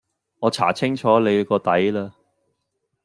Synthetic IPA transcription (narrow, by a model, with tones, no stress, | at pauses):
ŋɔː˨˧t͡sʰa̰ː˨˩t͡sʰɪ˥ŋt͡ʃʰɔː˨˥le˨˧kɔː˧t̪ɐ˨˥jlaː˧